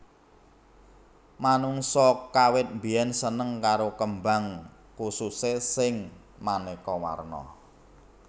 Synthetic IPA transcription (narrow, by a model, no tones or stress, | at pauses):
manuŋsɔkawɪt̪̚mbijɛnsənəŋkaɾokəmba̤ŋ | kususesɪŋ | manekɔwa̰rnɔ̰